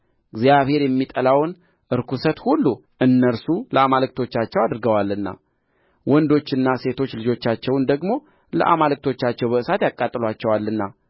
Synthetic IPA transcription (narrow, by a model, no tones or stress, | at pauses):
ɨɡzjaβhe̞ɾjɛmːit̪ʼəlawn | ʔɨɾkusət̪hulːu | ʔɨnːəɾsuləamalɨk̚t̪ʰo̞t͡ʃːat͡ʃːɛwad̪ɾɡəwalːɨnːa̰ | wɔnd̪o̞t͡ʃːɨnːase̞t̪ʰo̞t͡ʃːlɨd͡ʒo̞t͡ʃːat͡ʃːɛwnd̪əɡmo̞ | lə̰ʔa̰malɨk̚t̪ʰo̞t͡ʃːat͡ʃːɛwbəʔɨsat̪jakʼːat̪ʼːɨlat͡ʃːɛwalːɨnːa